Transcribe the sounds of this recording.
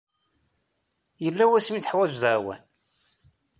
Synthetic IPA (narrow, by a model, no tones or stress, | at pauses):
jəlːæwæsmiθħwæzuðəɾwæ̰n